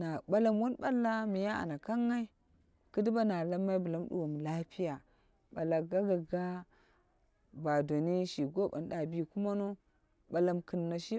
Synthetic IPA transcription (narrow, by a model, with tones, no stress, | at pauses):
na˨ɓa˦la˦mwo˦nɓa˦lːa˦mi˨ja˦a̰˨na˨ka˦ŋːa˦i˦ | kɨ˦di˦ba˦na˨la˦mːa˦i˦bu˨la˦m˦ɗṵ˨wo˨m˨la˦pi˦ja˨ | ɓa˨la˨ɡa˦ɡa˨ɡa˦ | ba˨do˨ni˦ʃi˨ɡo˦ba̰˨n˦ɗa˨bi˦ku˦ma˦no˦ | ɓa˨la˨˦mkɨ˨nːa˨ʃi˦